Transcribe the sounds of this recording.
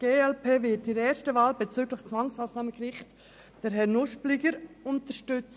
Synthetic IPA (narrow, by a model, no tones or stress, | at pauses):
ɡ̥eːɛlpeːvɪtiɾɛːɾʃtəvaːlbɛt͡syːɡləxt͡sʋɑŋsmaːsnɑːməɡɾɪχt | d̥ɛɾɦɛnʊʃplɪɡəɾʊntəʃtʏt͡s